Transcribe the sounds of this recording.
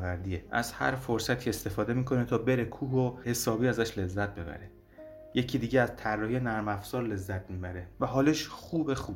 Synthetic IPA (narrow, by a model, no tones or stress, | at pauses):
væɾd̪iːeʔæzhæ̰ɾfo̞ɾsæt̪ʰie̞st̪e̞fɒːd̪emiːkʰo̞net̪ʰɒːbeɾekʰuːɦohe̞sɒːbiːæzæʃle̞zːæt̪̚be̞bæ̰ɾe | je̞cʰiːd̪iːɟeæzt̪ʰærːɒːhijenæɾmæfsɒːɾle̞zːæt̪̚ʰmiːbæɾe̞væɦɒːleʃχuːbexu